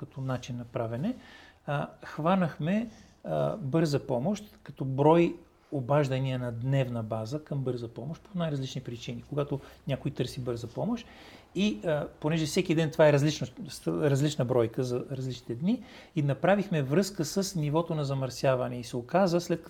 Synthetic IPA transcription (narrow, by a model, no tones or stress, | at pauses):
kɐt̪ɔnat͡ʃinːɐpɾavɛnɛ | xvanəxmɛ | bɤɾzəpɔmoʃt̪kɐt̪ɔbɾɔj | obaʒd̪ɐniənɐd̪nɛvnɐbazəkɐmbɤɾzɐpɔmoʃt̪̚ponajɾɐzlit͡ʃnipɾit͡ʃinikoɡat̪onʲakojt̪ɤɾsibɤɾzɐpɔmoʃt̪ | iponɛʒɛfsɛkid̪ɛnt̪vaɛɾɐzlit͡ʃnosɾɐzlit͡ʃnəbɾɔjkəzɐɾɐzlit͡ʃnit̪ɛd̪ni | inɐpɾavixmɛvɾɤskəsəsnivɔt̪onɐzɐmɐɾsʲjavɐnɛisɛokazəslɛt̪̚k